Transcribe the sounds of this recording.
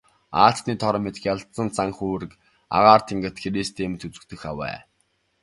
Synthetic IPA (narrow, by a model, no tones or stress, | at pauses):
aːɬt̪niːt̪ʰɔɾə̆met̪xʲjaɮt͡sə̆nt͡saŋxuːɾɘ̆k | a̰ʁaːrt̪ʰiŋɡə̆t̪xeɾiːst̪ʰemɘ̆t̪ʰut͡sɘ̆kt̪ɵ̆xa̰wæ̰ː